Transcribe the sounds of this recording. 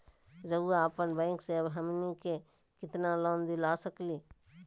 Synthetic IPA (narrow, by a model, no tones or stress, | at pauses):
ɾəuaːpənbɛ̃ːŋkseɐbɦəmnike | kɪt̪nalõːnd̪ilaːsəkliː